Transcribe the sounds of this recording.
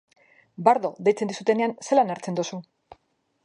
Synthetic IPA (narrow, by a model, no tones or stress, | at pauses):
baɾðo̞ðe̞jt͡se̞nd̪isut̪e̞ne̞anselanaɾt͡se̞nd̪usu